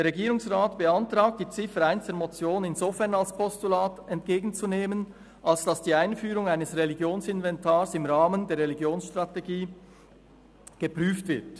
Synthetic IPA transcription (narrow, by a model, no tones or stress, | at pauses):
d̥eːɾʁeɡiːɾʊŋsʁaːtb̥əantʁ̥aːk̚td̥iːt͡sɪfəɾaɪnsd̥əmot͡sjoːnɪnzofɛɐnalspʰɔstulaːtɛnt̚ɡ̥eːɡn̩t͡suneːmən | ʔalsd̥asd̥iːaɪnfyːɾʊŋaɪnəsʁeliɡjoːnsɪnvɛntʰaːɾsɪmʁaːməndeːɐɾʁeliɡjoːnsʃtʁ̥ateɡiː | ɡ̥əpʁyːftv̥ɪt